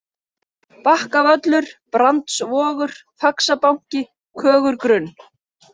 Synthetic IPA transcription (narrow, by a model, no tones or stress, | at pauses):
pahkavœt̪lʏɾ̥pɾant̪svɔːɣʏɾ̥ | faksapawɲ̥cɪ | kʰœːɣʏɾkɾʏnː